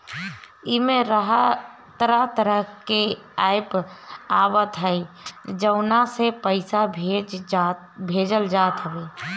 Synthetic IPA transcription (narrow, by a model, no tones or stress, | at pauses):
imẽɾəɦə | t̪əɾəɦt̪əɾəɦke | ajpabət̪ɦəi | d͡ʒəʊnasepəɪsabʱd͡ʒ | bʱed͡ʒəld͡ʒat̪ɦəbe